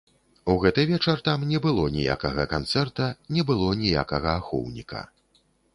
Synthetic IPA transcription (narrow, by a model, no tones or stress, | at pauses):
uɣɛt̪ɨvʲɛt͡ʂɐrt̪amnʲɛbɨlˠɔnʲḭja̰kɐɣɐkant̪sɛrt̪ɐnʲɛbɨlˠɔnʲija̰kɐɣɐaxɔ̰wnʲikɐ̰